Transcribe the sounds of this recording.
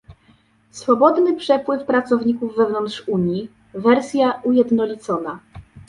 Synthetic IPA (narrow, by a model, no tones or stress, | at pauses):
sfɔbɔd̪nɘpʂɛpwɘfpɾat̪sɔvɲikuvːɛvnɔntʂuɲji | vɛɾsʲjaujɛd̪nɔlʲit̪sɔna